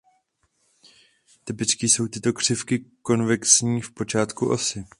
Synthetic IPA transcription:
t̪ɪpɪt͡skiːso̞wt̪ɪt̪o̞kr̝̥ɪfkɪko̞nvɛksɲiːfpo̞t͡ʃaːt̪kuʔo̞̰sɪ

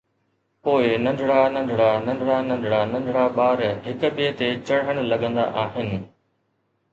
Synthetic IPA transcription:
poːɪnɐ̃ɳɖɽanɐ̃ɳɖʱɽanɐ̃ɳɖʱɽanɐ̃ɳɖʱɽanɐ̃ɳɖʱɽaɓaːɾɦɪkʊɓet̪et͡ɕɐɽɦəɽ̃lɐɠə̃nd̪a̰ʔaːɦɪnɪ̆

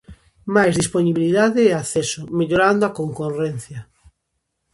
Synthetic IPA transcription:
majzðisponiβiliðaðeɛaθɛsomeʎoɾand̪oakoŋkorɛn̟θjɐ

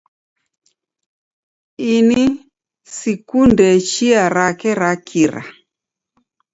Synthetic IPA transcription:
ini | sikundɛt͡ʃiaɾakɛɾakʰiɾa̰

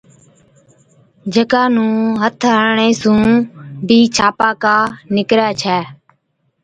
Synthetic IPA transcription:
d͡ʒəkaːnũːɦət̪ʰɦəɳẽːsũːbiːt͡ʃʰaːpaːkaːnɪkɾɛːt͡ʃʰɛː

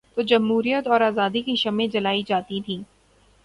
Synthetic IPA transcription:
t̪od͡ʒɐmɦuːɾijət̪ɔːɾaːzaːd̪ikiʃɐmẽd͡ʒɐlaːid͡ʒaːt̪it̪ʰĩː

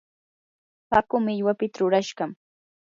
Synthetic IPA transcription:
pakʊmɪaʎwapɪt̪aɾʊɾaʃɢɑm

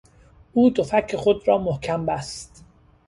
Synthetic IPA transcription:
ʔuːd̪ofækʰːeχod̪ɾɒːmohkʰæmbæst̪

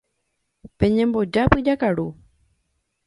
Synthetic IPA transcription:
pẽ̞ɲẽ̞mbo̞d͡ʒapɨd͡ʒakaɾu

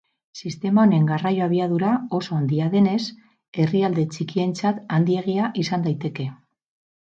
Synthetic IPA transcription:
sist̪e̞mao̞ne̞ŋɡarajo̞aβiað̞uɾao̞so̞and̪iaðe̞ne̞s | e̞riald̪e̞t͡ʃikie̞nt͡sat̪and̪ie̞ɣiaʔisand̪ajt̪e̞ke̞

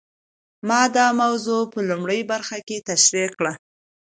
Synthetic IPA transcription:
mɑd̪ɑmawzopəlumɽəjbaɾxaket̪aʃɾikɽa

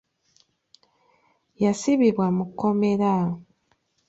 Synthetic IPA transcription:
jasiβiβwamukomeɾa

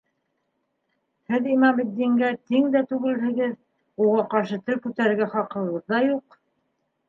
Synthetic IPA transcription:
hɘðimɑmɘ̆d̪ːiŋɡæt̪iŋd̪æt̪ʉɡɘ̆lɦɘ̆ɡɘð | uʁɑqɑɾʃɤt̪ɵɾkʉt̪æɾɘ̆ɡæχɑqɤ̆ʁɤðːɑjuq

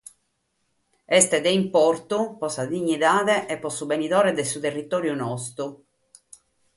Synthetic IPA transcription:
ɛst̪ɛd̪eimpɔrt̪upɔsad̪iɲːid̪aːðɛʔɛpːɔsːubenid̪ɔːɾɛd̪ɛsut̪erːit̪ɔːɾjunɔst̪u

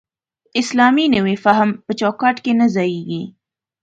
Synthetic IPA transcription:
ɪslɑminəwefaɦmpət͡ʃɑkɑʈkenazɑjeɡi

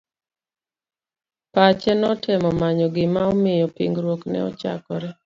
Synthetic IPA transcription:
pat͡ʃɛnɔtɛmɔmaɲɔɡɪmaɔmɪjɔpiŋɡɾwoknɛ̰ɔ̰t͡ʃa̰kɔɾɛ

